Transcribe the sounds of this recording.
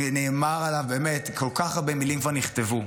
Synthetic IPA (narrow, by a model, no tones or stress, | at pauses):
neːmaʁalavbemetkʰolkaχaʁbemilimkvaʁniχt̪evu